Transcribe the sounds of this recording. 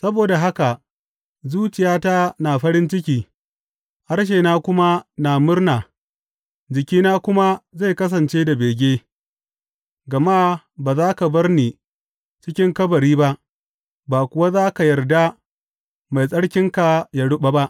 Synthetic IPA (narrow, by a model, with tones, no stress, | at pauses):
sɐ˦boː˨da˨ɦa˦ka˨ | zuː˦t͡ʃɪ˨jaː˦ta˦naː˨ɸɐ˦ɽɪ˦nt͡ʃɪ˦kʲiː˦ | ha˦rʃ̬eː˨naː˦kʷʊ˦ma˦naː˨mʊ˦rna˨ | d͡ʒɪ˨kʲiː˦naː˦kʷʊ˦ma˦za˦˨jkɐ˦s̬ɐ˨nt͡ʃeː˦da˨beː˨ɡʲeː˦ | ɡɐ˨ma˦ | baː˨zaː˦ka˨bɐ˦rniː˨ | t͡ʃɪ˦kʲɪ˦ŋkɐ˦bɐ˨ɾiː˦ba˦ʔ | baː˨kʷʊ˨wa˦zaː˦ka˨jɐ˨rda˦ | ma˨jsʼɐ˦ɽkʲɪ˦ŋka˨ja˦ɽʊ˦ɓa˦ba˦ʔ